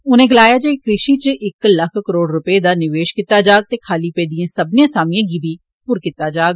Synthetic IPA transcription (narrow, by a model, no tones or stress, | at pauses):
ʊnẽːɡəlaːjaːd͡ʒeɪkɾɪʃiːt͡ʃʔɪkləkʰkəɾoːɽɾʊpeːd̪aːnɪʋeːʃkit̪ːaːd͡ʒaːɡ̚t̪eːkʰaːliːpɛːd̪ijẽːsəbnjãːsaːmɪjãːɡiːbʱiː | pʊɾkit̪ːaːd͡ʒaːɡ